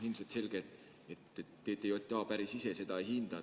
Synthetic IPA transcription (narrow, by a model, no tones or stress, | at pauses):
hilmset̪se̞lɡ̥et̪ | et̪ːet̪ːeːt̪ːˑejot̪ʲːˑɑːpæɾisisese̞d̪ɑhind̪̥ɑ